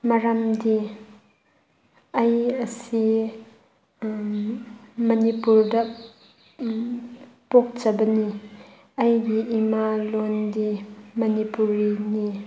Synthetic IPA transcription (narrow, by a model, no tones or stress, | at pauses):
mɐɾɐmdi | ʔɐjəsi | mɐnipurdɐ | pɔk̚t͡sɐbɐni | ɐjdiʔimalɔndimɐnipuɾini